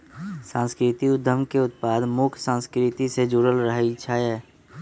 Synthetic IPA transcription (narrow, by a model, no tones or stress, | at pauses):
sãːnskɾɪt̪iʊd̪ʱːəmkeʊt̪̚paːd̪mʊkʰsãːskɾɪt̪ised͡ʒuːɾəlɾəɦit͡ʃʰaɛː